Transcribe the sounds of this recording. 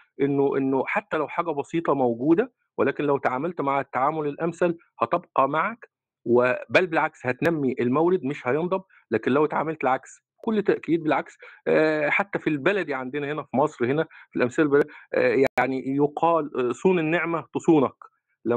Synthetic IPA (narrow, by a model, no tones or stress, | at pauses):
ʔenːoʔenːoħat̪ːælæwħaːɡæbɑsiːt̪ˤɑmowɡuːd̪æ | welæːkenlæwt̪aʕaːmælt̪maʕt̪ːaʕaːmolelʔæmsæl | hɑt̪ebqɑmaʕak | webælbelʕakshæt̪næmːiʔelmæwɾɪd̪meʃhæjɑnd̪ˤɑb̚ | læːkenlæwt̪ʕaːmælt̪elʕaks | kolːt̪ːæʔkiːd̪̚belʕaks | ħat̪ːæfilbælæd̪iʕand̪enæhenæfimɑsˤɾhenæfilʔæmsælæbææjaʕnijoqʰɑːlsˤuːnenːeʕmæt̪osˤuːnɑk | læ